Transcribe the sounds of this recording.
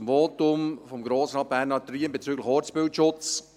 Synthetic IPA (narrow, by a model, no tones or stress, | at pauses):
mvoːtʊmfɔmɡɾoːsnɑbæːɾnɑtriːənbet͡syːɡlɪxɔːɾt͡spɪltʃʊt͡s